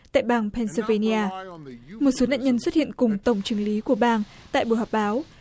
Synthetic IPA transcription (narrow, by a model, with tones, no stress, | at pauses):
t̪a̰ː˧˨jɓaː˧ŋpʰɛ˧nsə˧ve˧ni˧ʔaː˧mo˨˩t̚so˨˦na̰ː˧˨nɲə˧nswə˦˥t̚hḭ˧˨ə˨nkʊ˨˩ŋ͡mt̪ə˨˩wŋ͡mt͡ɕɨ˨˦əŋli˨˦ku˧˩əɓaː˧n | t̪a̰ː˧˨jɓɨ̰˧˩ɦɔ˨˩p̚ɓaː˨˦w